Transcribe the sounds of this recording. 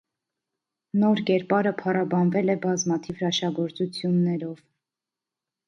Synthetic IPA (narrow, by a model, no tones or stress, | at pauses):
nɔɾkɛɾpɑɾəpʰɑrɑbɑnvɛlɛbɑzmɑt̪ʰivrɑʃɑɡɔɾt͡sut͡sʰjunːɛɾɔv